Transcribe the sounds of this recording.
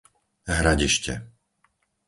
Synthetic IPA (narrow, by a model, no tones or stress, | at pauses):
ɦɾaɟiʃcɛ̰